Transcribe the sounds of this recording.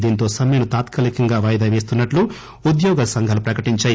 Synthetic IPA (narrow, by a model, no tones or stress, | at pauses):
d̪iːnt̪o̞ːsɐmɐjɐnut̪aːt̪kɐlikɐŋɡaːʋɐːjɐd̪aːʋe̞ːs̬t̪unːɐʈlu | ud̪jɔːɡɐsɐŋɡʱaːlupɾɐkɐʈiɲt͡ʃaːji